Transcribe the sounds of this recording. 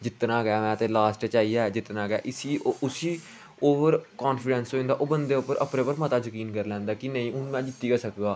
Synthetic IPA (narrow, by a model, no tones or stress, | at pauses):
d͡ʒɪt̪nãːɡɛaːmɛ̃ːt̪eːlaːsʈt͡ʃaːiːaːd͡ʒɪt̪nãːɡa̰ːʔɪsiːoʊsiː | oːʋəɾkaːnfʰɪɖɛ̃nsoːĩnd̪aːʔoːbənd̪eːʊpːəɾəpɾeːpəɾmət̪aːd͡ʒəkiːnkəɾlɛ̃ːnd̪aːkɪnəĩːʊnmɛ̃ːd͡ʒɪt̪ːiːkəsəkɡaː